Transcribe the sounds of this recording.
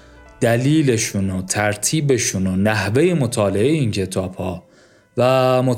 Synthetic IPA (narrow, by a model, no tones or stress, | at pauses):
d̪̥æliːle̞ʃuːnot̪ʰæɾt̪ʰiːbe̞ʃunonæhve̞jemo̞t̪ʰɒːle̞ʔejeincʰe̞t̪ʰɒːb̥hɒː | væmo